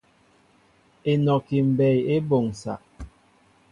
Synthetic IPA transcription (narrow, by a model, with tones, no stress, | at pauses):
e˨nɔ˨ki˨m̩˨bɛ˨je˦bo˨ŋ˨sa̰˨ʔ